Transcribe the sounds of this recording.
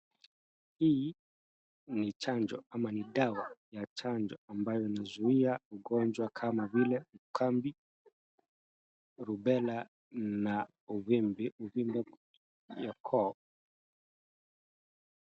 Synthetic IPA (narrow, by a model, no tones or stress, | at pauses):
hii | nit͡ʃand͡ʒɔamaniɗawajat͡ʃand͡ʒɔambajɔinazuiauɡɔnd͡ʒwakʰamavilɛukʰambi | ɾubɛla | na | uβimbiuvimbɛ | jakʰɔ